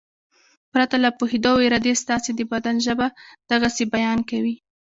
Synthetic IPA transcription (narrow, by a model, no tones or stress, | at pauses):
pɾat̪alapohed̪oweɾad̪est̪ɑsed̪əbad̪anʒəbad̪̥aɣasebajɑnkawi